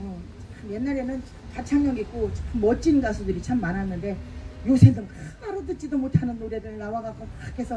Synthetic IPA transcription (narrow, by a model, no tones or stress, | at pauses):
ʌt͡ɕamje̞nːaɾe̞nɯn | kat͡ɕʰaŋɲʌŋik͈̚omːʌt͡ɕ͈inɡasʰudɯɾit͡ɕʰamːanɦanːɯnde̞josʰendɯŋkɯaɾotɯt̚t͡ɕ͈idomotʰanɯnːoɾjedɯɾɯɭnawaɡak͈okesʰʌ